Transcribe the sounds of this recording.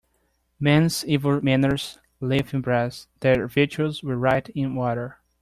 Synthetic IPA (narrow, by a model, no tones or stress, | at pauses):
mɛ̃nzivəlmæ̃nə˞z̥ | lɪfɨ̃nbɹɛsðəɹvɪd͡ʒuəlˠzwə˞ɹaɪɾɪ̃nwɔɾə˞